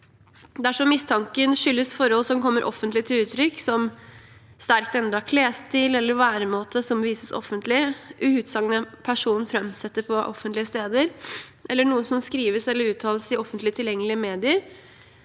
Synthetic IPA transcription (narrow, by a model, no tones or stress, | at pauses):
d̪æʂɔmːɪst̪ʰɑŋkənʂʏlːəsfɔɾhɔlːsɔmkɔmːəɾʔɔ̰fənt̪lɪt̪ʰɪlʉːt̪ʰɾʏkːsɔm | st̪æɾkt̪ɛnd̪ɾɑkʰleːst̪iːlɛlːəɾʋæːɾəmoːt̪ʰəsɔmʋiːsəsɔ̰fənt̪lɪʔʉhʉːd̪sɑŋnəpʰæʂuːn̩fɾɛmsɛt̪ːəpʰɔʔɔfənt̪lɪəst̪eːd̪əɾʔɛlːəɳuːəsɔmskɾiːʋəsɛlːəɾʉːt̪ʰɑːləsɪɔfənt̪lɪət̪ʰɪljɛŋːəlɪəmeːd̪ɪəɾ